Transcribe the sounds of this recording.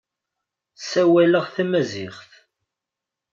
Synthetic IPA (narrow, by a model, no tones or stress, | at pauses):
sæwæləʁθæmæzɪχθ